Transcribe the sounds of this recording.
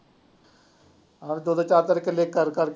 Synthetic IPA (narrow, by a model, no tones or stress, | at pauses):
aʋd̪oːd̪aːt͡ʃaːɾt̪əɾɪkəlekəɾkəɾk